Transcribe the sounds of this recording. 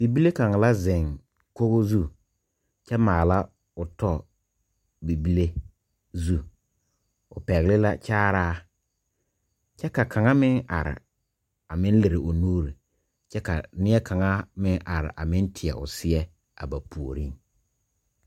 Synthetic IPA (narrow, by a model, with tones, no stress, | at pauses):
bi˨bi˦le˦ka˨ŋa˨la˦zɪ˨ŋ | ko˦ɣo˦zu˦˨ | t͡ʃɛ˦maː˨la˦ | ʊ˨tɔ˦ | bi˨bi˦le˦ | zu˦ | ʊ̰˨pɛ˨ɣlɪ˦la˦t͡ʃaː˦ɾaː˦ | t͡ʃɛ˦ka˨kʰa˨ŋa˦mɪ˦ŋa̰˨ɾɪ̰˨ | a˨mɪ˦n˦lɪ˨ɾɪ˨ʔʊ˨nuː˦ɾi˨ | t͡ʃɛ˦ka̰˨nɪ˦ɛ˦ka˨ŋa˦mɪ˦ŋʔa˨ɾɪ̰˨ʔa̰˨mɪ˦ntʰɪ˨ɛ̰˨ʔʊ̰˨sɪ˦ɛ˦ | a̰˨ba˨pʰu˨o˨ɾi˦ŋ